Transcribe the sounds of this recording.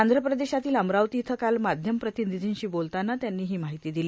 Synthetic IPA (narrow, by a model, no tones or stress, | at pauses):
and̪ʱɾəpɾəd̪eɕat̪iːləmɾaʋt̪iːt̪ʰəkalmad̪ʱjəmpɾət̪inid̪ʱiːnɕiːbolt̪anːat̪janːiːɦiːmaɦit̪iːd̪iliː